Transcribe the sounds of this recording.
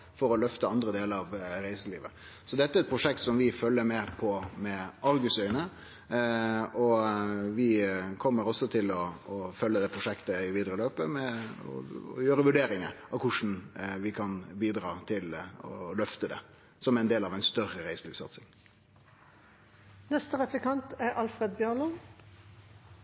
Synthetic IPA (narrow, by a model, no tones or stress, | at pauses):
fɔɾɔlœft̪əɑnd̪ɾəd̪eːləɾɑʋɾæɪsəlḭːʋə | sɔd̪ɛt̪ːəɛɾɛt̪pʰɾʊʂɛk̚t̪sɔmʋɪfœlːəmɛpʰɔmɛɑɾɡʉsœʏnə | ɔʋɪkʰɔmːəɾɔsːɔt̪ʰɪlɔːfœlːəd̪ɛpʰɾʊʂɛkt̪əɪʋiːd̪əɾəløːpəmɛɔ̰jøːɾəʋʉɖeːɾɪŋə̰ɑʋkʰʊʂn̩ʋɪkʰɑnbiːd̪ɾɑːt̪ʰɪlɔ̰lœft̪əd̪ɛ̰ | sɔmææɪnd̪eːlɑʋæɪnst̪œɾəɾæɪslʉːpsɑ̰t̪sɪŋ | nɛst̪əʁɛfləkʰɑnt̪æʔɑlfɾed̪̚bjøːʁlɔ